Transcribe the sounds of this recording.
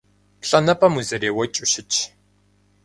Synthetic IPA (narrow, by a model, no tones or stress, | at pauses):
pɬʼɐnɐpʼɐmuzɐɾeːwɐt͡ʃʼuʃɪt͡ʃʰ